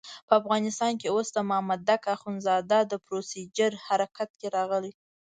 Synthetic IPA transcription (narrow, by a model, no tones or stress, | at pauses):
pəafɣɑnɪst̪ɑnkeosd̪əmʊhamad̪ːakaxunzɑd̪ad̪əpɾosid͡ʒəɾhaɾakat̪̚keɾɑɣəli